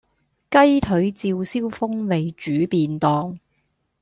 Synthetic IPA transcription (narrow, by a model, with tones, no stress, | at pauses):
kɐ˥jt̪ʰɵ˨˥ɥt͡siː˧wsiː˥wfʊ˥ŋme˨jt͡ʃyː˨˥piː˧nt̪ɔː˧ŋ